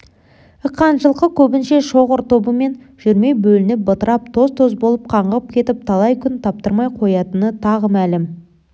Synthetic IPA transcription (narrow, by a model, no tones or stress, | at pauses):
əqːɑnʒəlˠqəkʲʰɵbɪnʃe̞ʃo̞ʁəɾt̪obəme̞n | ʒ̥ʏɾme̞jbɵlɪnɪp̚bət̪əɾɑp̚t̪ʰo̞zt̪ʰozbo̞lˠəp̚qʰɑɴʁəp̚kʲʰe̞t̪ɪp̚t̪ʰɑlˠɑjkʲʰʏnt̪ʰɑp̚t̪əɾmɑjqʰo̞jɑt̪ənət̪ʰɑʁəmælɪm